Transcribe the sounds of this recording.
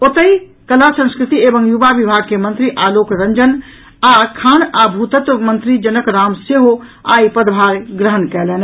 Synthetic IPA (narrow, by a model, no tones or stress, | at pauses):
ot̪əi | kəlasə̃nskɾɪt̪ieːbəŋjuʋaʋibʱaːɡ̚kemə̃nt̪ɾiʔaːloːkɾəɲd͡ʒən | akʰaːnabʱut̪ət̪mə̃nt̪ɾid͡ʒənəkɾaːmseɦoa̰ːipəd̪bʱaːɾɡɾəɦənkɛːleːn